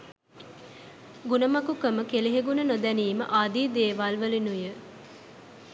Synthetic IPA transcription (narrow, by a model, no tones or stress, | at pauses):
ɡunəmɐkukəməkeleɦeɡunənod̪æniːmə̰ʔaːd̪iːd̪eːʋalʋəlinujə